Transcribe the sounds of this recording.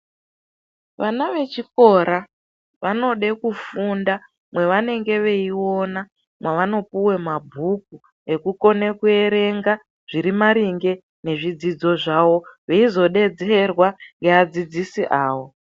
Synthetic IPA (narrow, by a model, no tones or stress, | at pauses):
ʋanaʋe̞t͡ʃiko̞ɾa | ʋano̞ɗe̞kufunda | mwe̞ʋane̞ŋɡe̞ʋe̞iwo̞na | mwaʋano̞puwe̞mabʱuk̚u | e̞kuko̞ne̞kue̞ɾe̞ŋɡa | ʐ̥iɾimaɾiŋɡe̞ | ne̞ʐid͡zid͡zo̞ʐawo̞ʋeizo̞ɗe̞d͡zerwaŋɡe̞ad͡zid͡zisiʔaːwo̞